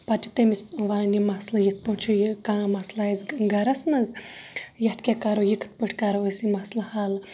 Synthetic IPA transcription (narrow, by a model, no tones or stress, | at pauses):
pati̥t̪emisʋanɐnimɐslɐjit̪̚poɳt͡ʃʰujikãːmɐslazɡɐɾɐsmɐz | jɐt̪kʲekaɾojikʰɨ̥t̪̚pɨʈʰkaɾoəsimɐslɐhaːl